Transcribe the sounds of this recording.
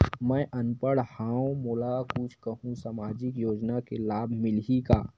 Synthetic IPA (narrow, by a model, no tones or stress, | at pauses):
mɛ̃ʔɐnpəɽhãːõmoːlakʊt͡ʃʰkɐɦũsaːmaːd͡ʒɪkjoːd͡ʒnakelaːbʱmɪlɦika̰ː